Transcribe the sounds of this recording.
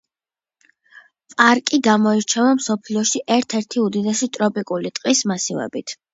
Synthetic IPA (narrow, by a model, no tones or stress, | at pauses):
pʼaɾkʼiɡamɔiɾt͡ʃʰɛvamsɔpʰliɔʃiʔɛɾt̪ʰɛɾt̪ʰiud̪id̪ɛʃit̪ʼɾɔpʼikʼulit̪ʼqʼismasivɛ̰bit̪ʰ